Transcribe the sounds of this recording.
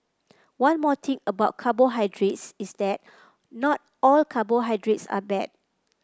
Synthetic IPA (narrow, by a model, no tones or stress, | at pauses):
wãnmɔt̪ʰĩŋəbaʊt̚kʰaboɦajdɹetsisdɛt̚ | nɔt̚ɔlkʰaboɦajdɹetsa̰bɛd̚